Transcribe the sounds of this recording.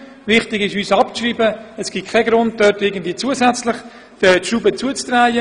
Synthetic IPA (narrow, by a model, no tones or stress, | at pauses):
vɪχtɪɡɪʃyːsɑpt͡sriːbəɛsɡ̥ikʰaɡɾʊnd̚dœtɪɡəndviːət͡suəsɛt͡slɪχ | d̥ətʃubət͡suət͡st̪rajə